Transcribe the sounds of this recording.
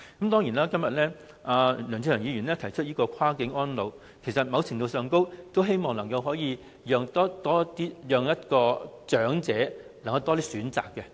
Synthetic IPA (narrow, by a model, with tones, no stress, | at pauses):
kɐ˨˦mt̪ɔː˥ŋjiː˨˩naː˥kɐ˥mjɐ˨t̚lɛː˥ | aː˧lœː˨˩ŋʰt͡sʰi˧˥˩jɐː˨˩ŋiː˨˧˩ɥy˨˩nlɛː˥t̪ʰɐ˨˩jt͡ʃʰɵ˥t̚jiː˥kɔː˧kʰaː˥kɪ˨˥ŋɔː˥nlo˨w | kʰe˨˩jsɐ˨t̚mɐ˨˧wt͡sʰɪ˨˩ŋt̪o˨˧wsœː˨˧ŋko˥wt̪o˥wɦe˥jmɔː˨ŋlɐ˨˩ŋkɐ˧wɦɔː˨˥jiː˨˧ | jœː˨˧ŋt̪ɔː˥t̪ɔː˥t̪iː˥jœː˨˧ŋjɐ˥t̚kɔː˧t͡ʃœː˨˥ŋt͡sɛː˨˥lɐ˨˩ŋkɐ˧wt̪ɔː˥t̪iː˥syː˨˥nt͡sa̰ː˨kːɛ˧